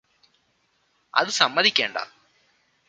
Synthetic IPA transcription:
ɐ̰ðɨsɐmːɐðikʲːeːɳɖɐ̰

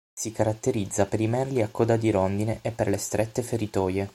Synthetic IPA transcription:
sikaɾat̪ːeɾid̪zːapeɾimɛrliakːɔd̪ad̪iɾond̪ineʔepːḛrlest̪ɾʔɛt̪ːefeɾit̪ɔːje

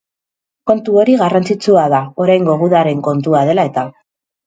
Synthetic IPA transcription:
ko̞nt̪uo̞ɾiɣarant͡sit͡suaðao̞ɾajŋɡo̞ɣuðaɾe̞ŋko̞nt̪uaðe̞lae̞t̪a

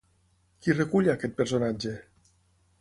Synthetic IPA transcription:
kirekuʎakɛt̪̚peɾsonad͡ʒe

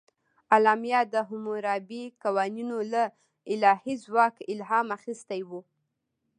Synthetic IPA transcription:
alɑmjɑd̪əɦʊmuɾɑbikawɑninola | ɪlɑhizwɑkɪlɦɑmaxist̪ajwu

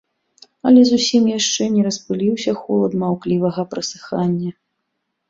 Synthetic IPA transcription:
ɐ̰lʲɛzusʲimjaʂt͡ʂɛnʲɛɾɐspɨlʲiwsʲɐxɔlˠɐd̪mawklʲivɐɣɐpɾɐsɨ̥xanʲːɐ

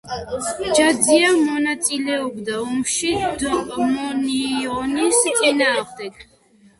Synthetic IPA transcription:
d͡ʒad̪ziamɔnat̪sʼilɛɔbd̪aɔmʃid̪mɔniɔnissʼinaːʁmd̪ɛk

